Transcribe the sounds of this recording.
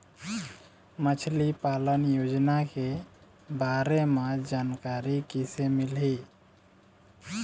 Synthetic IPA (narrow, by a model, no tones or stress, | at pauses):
mət͡ʃʰlipalənjod͡ʒnake | baɾemed͡ʒankaɾikisemilɦi